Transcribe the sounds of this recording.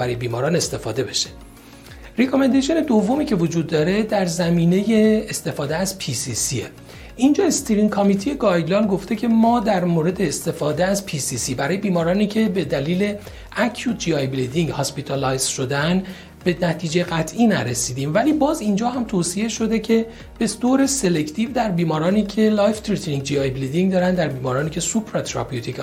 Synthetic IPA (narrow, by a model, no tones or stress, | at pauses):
bæɾɒːje̞biːmɒːɾɒːne̞st̪e̞fɒːd̪e̞be̞ʃe | ɾekʰomend̪eʃione̞d̪ovːo̞miːcʰe̞vo̞d͡ʒuːd̪ːɒːɾe̞d̪æɾzæmiːne̞je̞ːst̪e̞fɒːd̪eæzpʰisisie | ʔind͡ʒɒːest̪ʰiɾiŋkʰɒmit̪ʰije̞ɡɒːjlɒːnɡo̞ft̪ʰe̞cʰe̞mɒːd̪æɾmoːɾe̞d̪e̞ːst̪e̞fɒːd̪eæzpʰisiːsiːbæɾɒːje̞biːmɒːɾɒːniːcʰe̞be̞d̪æliːle̞ | æcʰjuːt̪̚ʰd͡ʒiɒjbilid̪iŋɡhɒspit̪ʰɑlɒjz̥ʃo̞d̪en | be̞næt̪ʰiːd͡ʒeɣæt̪ʰʔiːnæɾesiːd̪iːmvæliːbɒːzind͡ʒɒːɦæmt̪ʰoːsie̞ʃo̞d̪e̞cʰe̞ | b̥e̞d̪̥oːɾe̞se̞le̞cʰt̪ʰiːvd̪æɾbiːmɒːɾɒːniːcʰe̞lɒːjft̪ʰɾit̪ʰɾiŋɡd͡ʒiɒjbilid̪iŋɡd̪ɒːɾænd̪æɾbiːmɒːɾɒːniːcʰe̞supʰɾɑt̪ʰɾɒ̰pijut̪ʰik